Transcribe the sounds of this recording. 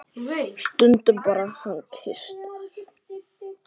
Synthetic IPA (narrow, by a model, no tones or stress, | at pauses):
st̪ʏnt̪ʏpaɾahankɪst̪